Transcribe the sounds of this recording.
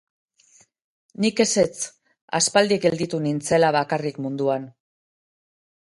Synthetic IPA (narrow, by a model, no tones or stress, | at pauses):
nike̞se̞t͡s | a̰spald̪ikɡe̞ld̪it̪unint͡se̞laβakarikmund̪uan